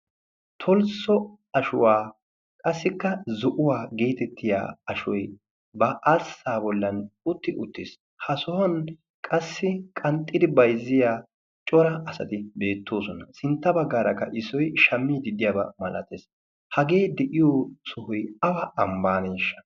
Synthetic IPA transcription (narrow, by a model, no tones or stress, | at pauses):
t̪ʰɔlsɔ | ɐʃʊwaː | kʼɐsːɪkːɐzɔʔʊwaːɡeːt̪ɛt̪ːɪja̰ːɐʃɔj | bɐʔɐsːaːbɔlːɐnʊt̪ːɪʔʊt̪ːɪs | hɐsɔhɔn | kʼɐsːɪkʼɐnt̪ʼːɪd̪ɪbɐjzːɪjaː | t͡ʃʼɔɾɐɐsɐ̰t̪ɪbe̞ːt̪ːoːsɔnɐsɪnt̪ːɐbɐɡːaːɾɐkːɐ̰ʔɪsɔjʃɐmːid̪ɪd̪ɪjaːbɐmɐlɐt̪eːs | hɐɡe̞ːd̪ɛʔɪjoːsɔhɔjɐbɐʔɐmbaːneːʃːɐ̥